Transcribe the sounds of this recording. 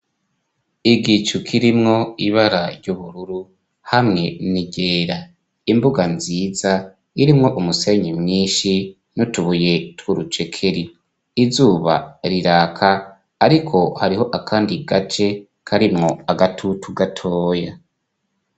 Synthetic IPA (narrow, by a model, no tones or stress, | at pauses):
iɡit͡ʃukʰiɾimŋo̞iβaɾaɾɟuβuɾuɾu | hamŋe̞niɟe̞ːɾa | imbuɡanziːza | iɾimŋo̞ʔumuse̞ɲimŋiːʃi | nutuβuje̞twuɾut͡ʃe̞kʰe̞ɾiː | zuːβa̰ɾiɾaːkʰaː | ɾikʰo̞haɾiho̞ʔakʰaːndiɡat͡ʃe̞ | kʰaɾimŋo̞aɡatʰutuɡatʰo̞ːja